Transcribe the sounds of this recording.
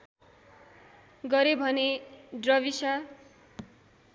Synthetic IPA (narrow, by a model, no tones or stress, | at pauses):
ɡʌɾebʱʌnedrʌβisa